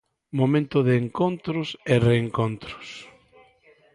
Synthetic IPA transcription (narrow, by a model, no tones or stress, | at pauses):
momẽnt̪ʊðɪːŋkont̪ɾʊsereːŋkont̪ɾʊ̥s